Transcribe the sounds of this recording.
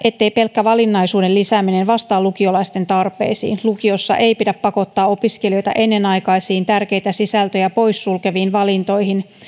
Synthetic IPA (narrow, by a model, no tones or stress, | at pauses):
ʔe̞t̪ːe̞jpe̞lkːæʋɑlinːɑjsuːdelisæːmine̞nʋɑst̪ɑːlukio̞lɑist̪e̞nt̪ɑrpe̞̰ːsḭːnlukio̞sːɑ̰ʔe̞jpidæpːɑko̞t̪ːɑːo̞piske̞lio̞jt̪ɑ̰ʔe̞nːe̞nɑjkɑisiːnt̪ærk̟e̞jt̪æsisælt̪øjæpo̞jsːulke̞ʋiːnʋɑlint̪o̞jɦin